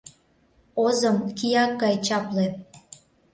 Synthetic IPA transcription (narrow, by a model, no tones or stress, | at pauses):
ozəmkijɑk̚ɡɑjt͡ɕɑple